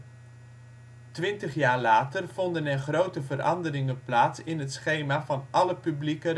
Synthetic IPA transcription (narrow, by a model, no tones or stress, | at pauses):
tʋɪntəχjaːɹlaːtərv̥ɔndənɛrχrowtəvərɑ̰ndəɾɪŋənplaːtsɪnɦətsχejmaːvɑnʔɑləpyblikər